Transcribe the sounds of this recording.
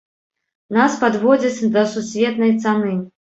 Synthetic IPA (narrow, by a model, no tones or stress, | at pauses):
naspad̪vɔd͡zʲɐt͡sʲd̪ɐsusʲvʲɛt̪nɐjt̪sanɨ